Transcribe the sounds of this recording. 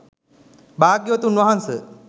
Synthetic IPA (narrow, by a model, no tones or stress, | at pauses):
baːɡjət̪unʋaɦansə